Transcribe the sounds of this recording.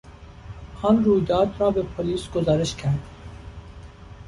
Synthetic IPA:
hɑnɾuːjd̪ɑːd̪ɾɑːbepʰoliːsɡozɑːɾeʃcʲʰæɾd̪

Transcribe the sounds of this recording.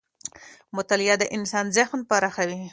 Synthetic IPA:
mʊt̪alɪjɑd̪əʔɪnsɑnzaxnpaɾaxawi

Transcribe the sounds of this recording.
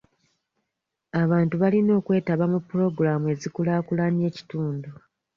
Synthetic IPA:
aβaːntuβalino̞ːkwe̞ːtaβamupːuɾo̞ɡuɾamue̞zikulaːkulanje̞ːci̥tuːndu

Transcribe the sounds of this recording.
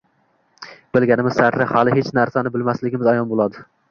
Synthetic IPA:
b̥ɪlɡʲanɪmɪz̥saɾɾahalɪhet͡ʃnaɾsanɪbɪlmaslɪɡʲɪmɪzajɒnbolˠad̪ɪ

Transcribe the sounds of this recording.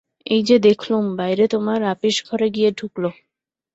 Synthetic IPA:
ejd͡ʑed̪ekʰlumbajɾet̪omaɾapiʃɡʱɔɾeɡijeɖʱuklo

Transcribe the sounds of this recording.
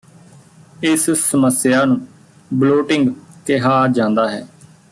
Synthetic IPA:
ɪssəməsɪjaːnũː | bloːʈɪŋɡkɪɦaːd͡ʒãːnd̪aːɦɛː

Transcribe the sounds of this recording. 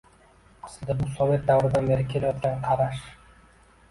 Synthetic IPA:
ɑ̥sɨld̪abusovʲet̪̚d̪awɾɨd̪ɑnbe̞ɾɪkʲʰelejot̪̚kɑɴqʰɑɾɑʃ

